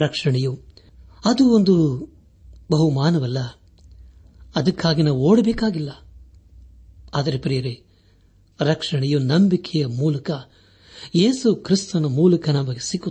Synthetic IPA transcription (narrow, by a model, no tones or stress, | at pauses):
ɾɐkʂɐɳɛju | ɐd̪uond̪u | bɐɦumaːnɐʋɐlːɐ | ɐd̪ɐkʰːaːɡinɐʋo̞ːɽɐbeːkaːɡilːɐ | aːd̪ɐɾepɾijɐɾe | ɾɐkʂɐɳɛjunɐmbikʰɛjɐmuːlɐkɐ | jeːsukɾist̪ɐnɐmuːlɐkɐnɐmɐɡesiɡːu